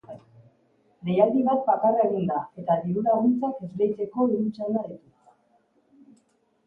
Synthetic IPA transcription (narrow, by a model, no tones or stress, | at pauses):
lejald̪iβat̪̚pakareɣind̪ae̞t̪aðiɾuɾaɣunt͡sake̞zɣejt͡se̞ko̞iɾut͡sanaðit̪ust̪a